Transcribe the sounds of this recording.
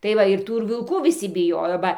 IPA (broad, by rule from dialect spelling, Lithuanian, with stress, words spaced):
tɐɪ ˈʋɐ ɪr ˈtuː ɪr ʋʲɪlˠˈkuː ʋʲɪˈsʲɪ bʲɪˈjoːjoː ˈbɐ